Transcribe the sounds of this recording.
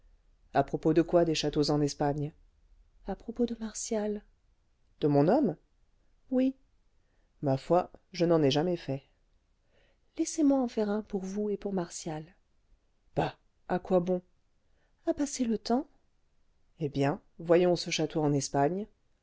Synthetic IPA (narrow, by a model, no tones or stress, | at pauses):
apχɔpod̪əkwad̪eʃat̪ozɑ̃nɛspaɲ | apχɔpod̪əmaʁsjal | d̪̥əmɔ̃nɔm | wi | mafwaʒənɑ̃nɛʒamɛfɛ | lɛsemwaɑ̃fɛʁɛ̃puʁvuepuʁmaʁsjal | b̥a | akwabɔ̃ | apaselət̪ɑ̃ | ebjɛ̃ | vwajɔ̃səʃat̪oɑ̃nɛspaɲ